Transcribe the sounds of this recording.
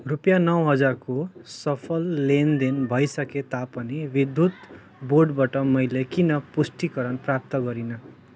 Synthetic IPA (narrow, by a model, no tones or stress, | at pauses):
rupjanʌwɦʌd͡zarkosʌpʰʌlːend̪inbʱʌjsʌket̪apʌnibid̪ʱut̪ | boɖbaʈʌmʌjlekinʌpusʈikʌɾʌnprap̚t̪ʌɡʌɾinʌ